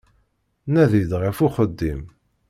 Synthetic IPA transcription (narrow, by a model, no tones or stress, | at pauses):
næðid̪ʁəfuχəd̪ːim